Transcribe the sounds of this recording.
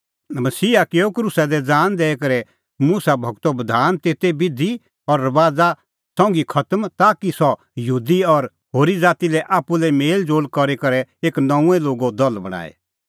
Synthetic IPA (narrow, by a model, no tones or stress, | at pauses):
mɐsiːakeːokɾuːsad̪ɛd͡zaːnd̪ɛːɛkɐɾɛ | muːsabʱɐɡt̪obɐd̪ʱaːnt̪eːt̪ebɪd̪ʱi | ɔɾːɐʋaːd͡za | sɔ̃ːŋɡikʰɐt̪əmt̪aːkisɔ | jɐɦuːd̪iɔɾ | ɦoːɾid͡zaːt̪ilɛʔaːpːulɛmeːld͡ʒoːlkɔɾekɐɾɛeːknɐũɛ̃loːɡod̪ɔlbɐɽ̃a̰ːḛ